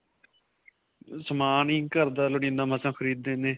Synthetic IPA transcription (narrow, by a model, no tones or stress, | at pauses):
səmaːnĩːkəɾd̪aːləɽĩːnãːməsãːkʰəɾiːd̪ːeːnẽː